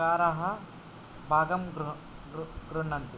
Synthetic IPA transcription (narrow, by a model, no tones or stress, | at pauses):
aːɾɐɦɐ | bʱaːɡɐmɡ | ɡɾuɳɐnt̪i